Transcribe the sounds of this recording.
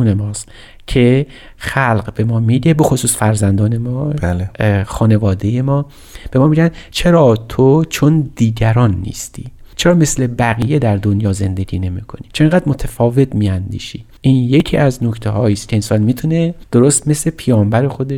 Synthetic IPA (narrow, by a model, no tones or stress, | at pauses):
uːnemɒːs | cʰe̞ | xælɢbe̞mɒːmid̪e̞be̞xosuːsfæɾzænd̪ɒːne̞mɒblxɒːne̞vɒːd̪e̞je̞mɒː | b̥e̞mɒːmiɟænd̪t͡ʃʰe̞ɾɒːt̪ʰot͡ʃʰond̪̥iːɟæɾɒːnːḭːst̪ʰḭːt͡ʃʰeɾɒːme̞sle̞bæɣiːje̞d̪æɾd̪onjɒːze̞nd̪e̞ɡʲiːne̞miːkʰo̞ni̥t͡ʃʰeeŋɡæːd̪mot̪ʰæfɒːve̞t̪miːænd̪ḭːʃi | ʔiːnje̞cʰiːʔæznocʰt̪ʰeɦɒːiːst̪kʰʲeensɒnmiːt̪ʰuned̪̥oɾost̪me̞sle̞pʰejɒːmbæɾe̞xo̞d̪eʃ